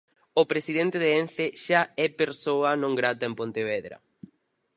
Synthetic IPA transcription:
opɾesiðent̪eðeenθeʃaɛpeɾsoɐnõŋɡɾat̪ɐempõnt̪eβeðɾɐ̰

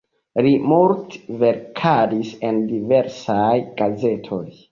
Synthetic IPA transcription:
limuɾtve̞ɾkʰadise̞ndive̞ɾsajɡ̥aze̞tʰo̞j

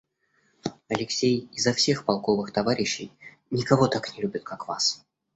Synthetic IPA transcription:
ɐlʲɪksʲejɪzːɐfsʲe̞xpɐlˠko̞vɨxt̪ɐvaɾʲɪɕːɪj | nʲɪkɐvo̞t̪aknʲɪlʲubʲɪt̪̚kʰakva̰s

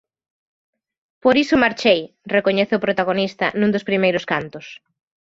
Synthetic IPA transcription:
poɾisʊmaɾt͡ʃej | rekoɲeθeʊpɾot̪aɣ̞onist̪ɐ̰nũŋd̪ʊspɾimejɾʊskant̪ʊs

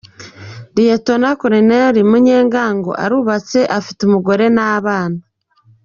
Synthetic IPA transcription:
ɾijetonakoɾeneɾimuɲe̞ːŋɡaːŋɡo̞̰ʔa̰ɾuβat͡se̞ʔafi̥tumuɡo̞ɾe̞naβaːna

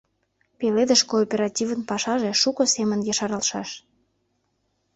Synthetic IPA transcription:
peled̪əʃkoːpʲeɾɑtʲivənpɑʃɑʒeʃukosemənjɑʃɑɾɑlʃɑʃ

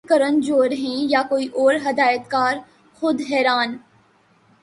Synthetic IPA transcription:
kəɾənd͡ʒoːɾɦɛ̃jakoːiʔɔːɾɦɐd̪aːjət̪kaːɾ | xʊd̪ɦɛːɾaːn

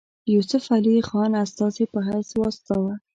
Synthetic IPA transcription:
jusʊfalixɑnast̪ɑzepəɦajswɑst̪awa

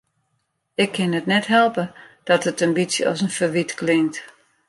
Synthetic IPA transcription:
ɪkʰːɪnətnɛtɦɛlˠpəd̥ɔtətəmbisjəɔ̰sənfəʋitklɪŋt

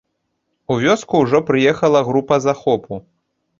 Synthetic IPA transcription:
uvʲɔskuwʐɔpɾɨjɛxɐlˠɐɣɾupɐzaxɔpʰu

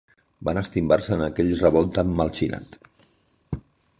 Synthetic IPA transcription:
banəst̪imbarsəːnəkɛʎrəβɔlˠt̪əmːəlˠt͡ʃina̰t̪

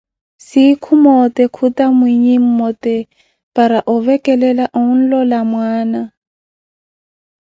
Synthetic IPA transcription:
sɪkʰumɔtɛkʰutamwiɲim̩mɔtɛ | paɾaʔʊvɛkɛlɛlaʔʊun̩lɔlamwaːna

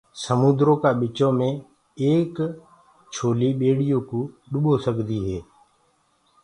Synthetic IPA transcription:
səmuːd̪ɾõːkaːɓɪt͡ʃõːmẽː | eːk | t͡ʃʰoːliːɓeːɽɪjõːkũːɗʊɓoːsəɡʱd̪iːɦeː

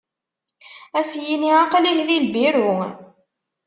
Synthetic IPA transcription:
æsjiniaqliçlilbiɾu

